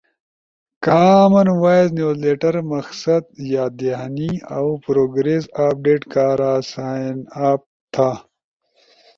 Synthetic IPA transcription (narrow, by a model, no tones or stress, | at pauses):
kaːmɐnwaːjznjuːzleːʈɐɾmɐxsɐd̪jaːd̪enia̰wpɾoːɡɾeːsaːp̚ɖeːʈkaːɾaːsaːnaːp̚t̪ʰaː